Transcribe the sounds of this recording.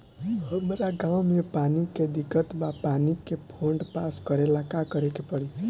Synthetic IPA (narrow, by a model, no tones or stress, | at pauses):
ɔmɾaɡawmiɔpaniked̪ikɔt̪bapanikepʰoɳɖpaskɔɾelakakɔɾekepɔɽi